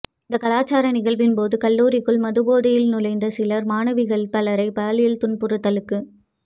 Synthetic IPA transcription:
ɪnd̪ɐkɐlaːt͡ʃaːɾɐnɪɣɐɭʋɪnpoːðɯkɐlːuːɾɪkːɯɭmɐðɯboːðɪjɪlnʊlɐɪnd̪ɐsɪlɐɾmaːnɐʋɪɣɐɭpɐlɐɾɐɪpaːlɪjɪlt̪ʊɳpʊɾɯt̪ːɐlɯkːɯ

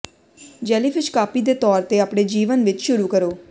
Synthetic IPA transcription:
d͡ʒɛːlipʰɪt͡ʃkaːpiːd̪eːt̪ɔːɾt̪eːaːpɽeːd͡ʒiːʋənʋɪt͡ʃʃʊɾuːkəɾoː

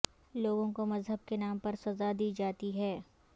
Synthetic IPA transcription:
loːɡõkomɐzɦəb̚kenaːmpɐɾsɐzad̪iːd͡ʒaːt̪iɦɛː

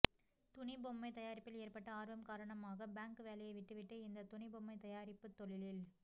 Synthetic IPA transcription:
t̪ʊɳɪbɔmːɐɪt̪ɐjaːɾɪpːɪleːrpɐʈːɐaːɾʋɐmkaːɾɐɳɐmaːɣɐbaːŋkɯʋeːlɐjɐɪʋɪʈːɯʋɪʈːɯɪnd̪ɐt̪ʊɳɪbɔmːɐɪt̪ɐjaːɾɪpːɯt̪ːɔɭɪlɪl

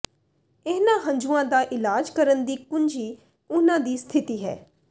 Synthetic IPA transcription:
eːnãːɦə̃ɲd͡ʒũãːd̪aːʔɪlaːd͡ʒkəɾənd̪iːkʊnd͡ʒiː | ʊnãːd̪iːst̪ʰɪt̪iːɦɛ̰ː

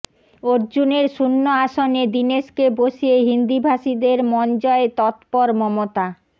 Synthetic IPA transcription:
oɾd͡ʑuneɾʃunːoaʃoned̪ineʃkeboʃieɦind̪ibʱaʃid̪eɾmɔnd͡ʑɔet̪ɔt̪pɔɾmɔmot̪a

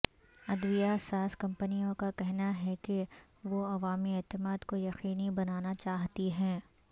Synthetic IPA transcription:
ɐd̪ʋijasaːskɐ̃mpənijõkakɛɦnaɦɛke | ʋoɐʋaːmiɛːt̪ɪmaːd̪kojɐqiːnibɐnaːnat͡ʃaːɦt̪iɦɛ̃ː

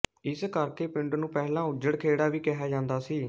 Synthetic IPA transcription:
ɪskəɾkeːpɪ̃ɳɖnũːpɛːlãːʊd͡ʒəɽkʰeːɽaːʋiːkɛɦaːd͡ʒãːnd̪aːsiː

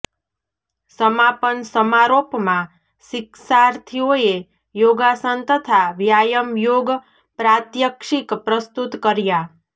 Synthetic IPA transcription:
səmapənsəmaɾopmã | ʃɪksaɾt̪ʰioe | joɡasənt̪ət̪ʰaʋjajəmjoɡ | pɾat̪jəkʃikpɾəst̪ut̪kəɾja

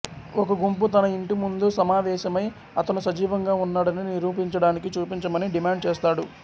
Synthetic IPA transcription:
okɐɡumput̪ɐnɐiɳʈimund̪usɐmaːʋɛːʃɐmɐj | ɐt̪ɐnusɐd͡ʒiːʋɐŋɡaːunːaːɽɐniniɾuːpiɲt͡ʃɐɽaːnikit͡ʃuːpiɲt͡ʃɐmɐniɖimaːɳɖt͡ʃɛːst̪aːɽu

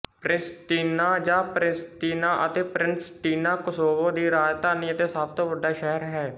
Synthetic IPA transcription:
pɾɪnsʈiːnaːd͡ʒaːpɾɪsʈiːnaːʔət̪eːpɾɪnsʈiːnaːkʊsoːbõːd̪iːɾaːd͡ʒt̪aːnĩːət̪eːsaːb̚t̪oːʋəɖːaːʃɛɦəɾɦɛː

